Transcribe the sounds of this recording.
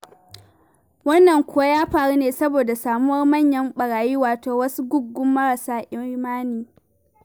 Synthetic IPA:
wɐ˦nːɐ˨ŋkʷʊ˦wa˦jaː˦ɸaː˨ɽu˦neː˨sɐ˦boː˨da˨saː˨mʊ˦wɐ˦rmɐ˦˨ɲjɐ˦mɓɐ˨ɽaː˨jiː˦waː˨toː˨wɐ˦su˦ɡʊ˦ɡ̚ɡʊ˦mːɐ˦ɽa˨saː˦ʔɪ˦maː˦niː˨

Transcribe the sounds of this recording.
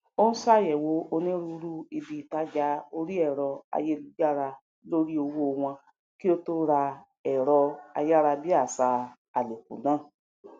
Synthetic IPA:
o˦n̩˦sa˦˨jɛ˨wo˨˦o˧nĩ˦ɾu˧ɾu˦i˧bi˧˨ta˦d͡ʒa˦o˧ɾi˦ɛ˦˨ɾɔ˧a̰˧je˦lu˧˦d͡ʒa˦ɾa˧˦ | lo˦ɾi˦o˧wo˦˧w̃ɔ̃˧ | ki˦o˧to˧ɾa˧ | ɛ˨ɾɔ˧a̰˧ja˦ɾa˧bi˦a˦˨sa˧ | a˨le˨kṵ˨nã˨˦˨

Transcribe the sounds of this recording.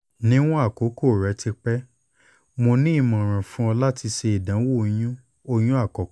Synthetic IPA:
nĩ˦w̃ɔ̃˦a˦˨ko˨˦ko˦˨ɾɛ˨˦tʰi˧k͡pɛ˦ | mo˧nĩ˦i˦˨mã˨ɾ̃ã˨fũ˦ɔ̃˧la˦ti˧ʃe˧i˨dã˨˦wo˦˨˧j̃ũ˦ | o˧j̃ũ˦a˦˨kɔ˨˦

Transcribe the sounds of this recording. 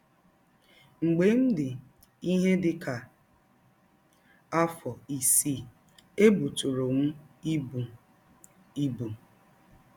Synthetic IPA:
ŋ͡m̩˨ɡ͡be˨˦n̩˦dɪ˨ | i˦ɦe˦dɪ˨ka˨ | a˦fɔ˨i˨si˦˨ | e˦bu˨tu˨ɾo˨m̩˦i˦b | i˦bu˨

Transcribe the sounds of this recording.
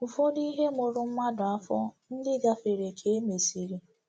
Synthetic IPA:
ʊ˨fo˦di˦ɦe˦mo˨ɾʊ˨m̩˦ma˦dʊ˨a˦fɔ˦n̩˦dɪ˦ɡa˨fe˨ɾe˨kʰe˨˦e˦me˨si˨ɾi˦

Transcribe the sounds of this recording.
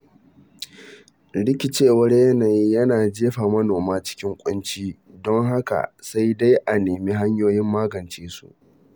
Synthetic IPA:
ɽɪ˦kʲi˨t͡ʃeː˦˨wɐ˦rjɐ˦naː˨ji˦jɐ˦naː˨d͡ʒeː˦ɸaː˨mɐ˦noː˨maː˦t͡ʃɪ̥˦kʲɪ˦ŋkʷʼʊ˦nt͡ʃiː˦ | dɔ˦ŋɦa˦ka̰˨sa˦jda˦jʔa˨neː˨mi˦ɦa˦ɲjoː˦jɪ˦mːaː˦ɡɐ˨nt͡ʃeː˦sṵ˦ʔ

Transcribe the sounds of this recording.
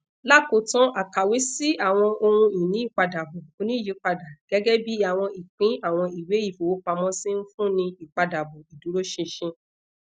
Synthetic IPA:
la˦ko˨tɔ̃˦ʔa˨ka˨we˨˦si˦a˦˨w̃ɔ̃˧o˧ɾũ˧i˨nĩ˨˦i˦˨k͡pa˧da˨bo˨o˨˧nĩ˦i˦˨ji˨˦k͡pa˧da˨ɡ̥ɛ˨˦ɡɛ˦bi˦a˦˨w̃ɔ̃˧i˨k͡pĩ˨˦a˦˨w̃ɔ̃˧i˨we˨˦i˦˨fo˨wo˨˦k͡pa˧mɔ̃˦sĩ˦n̩˦fũ˦nĩ˧i˨k͡pa˧da˨bo˨i˨du˨˦ɾo˦ʃe˧ʃĩ˧

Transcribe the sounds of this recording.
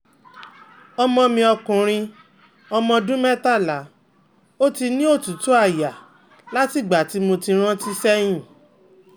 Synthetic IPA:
ɔ˧mɔ̃˧mĩ˧ɔ˧kũ˨ɾ̃ĩ˧ | ɔ˧mɔ̃˧dũ˦mɛ˦ta˦˨la˨˦ | o˦ti˧nĩ˦o˦˨tu˨˦tu˦a˦˨ja˨ | la˦ti˦˨ɡ͡ba˨ti˨˦mo˧ti˧ɾ̃ã˦ti˦sɛ˦j̃ĩ˦˨

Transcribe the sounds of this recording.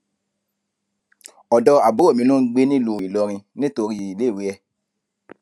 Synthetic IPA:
ɔ˨dɔ˧a˨bo˨˦o˦˨mĩ˨˦nũ˦ɡ͡be˦nĩ˦˨lu˧˦˨i˨lɔ˧ɾ̃ĩ˧nĩ˦to˧ɾi˦˧i˨le˨˦˨we˨˦ɛ˧

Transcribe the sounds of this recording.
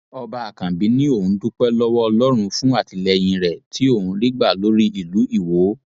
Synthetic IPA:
ɔ˧ba˧a˨kã˨bi˨˦nĩ˦o˦˨ũ˨˦tu˦k͡pɛ˦lɔ˦wɔ˦ɔ˧lɔ˦ɾ̃ũ˧fũ˦a˦˨ti˨˧lɛ˧j̃ĩ˧ɾɛ˨tʰi˨˦o˦˨ũ˨˧li˦ɡ͡ba˦˨lo˨˦ɾi˦i˦˨lu˨˦i˦˨wo˨˦

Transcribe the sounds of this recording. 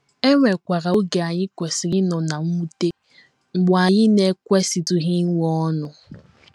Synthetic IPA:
e˦ŋʷe˨kʷa˨ɾa˨o˦ɡe˨a˨ɲɪ˦kʷe˨sɪ˨ɾɪ˦nɔ˨na˨ŋ̩ʷ˦u˦te˦ | ŋ͡m̩˨ɡ͡bʊ˨a˨ɲɪ˦ne˦kʷe˦si˨tu˨ɣi˦ŋ˦ɔ˦nʊ˨

